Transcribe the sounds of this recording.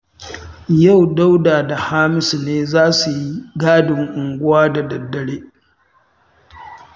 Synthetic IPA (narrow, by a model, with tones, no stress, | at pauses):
ja˦˨wda˦wdaː˨da˨haː˦mɪ˦sneː˦zaː˦su˨ji˦ɡaː˦dɪ˨ŋʔʊ˨ŋɡʷʊ˦waː˦da˨dɐ˨dːɐ˨ɽeː˦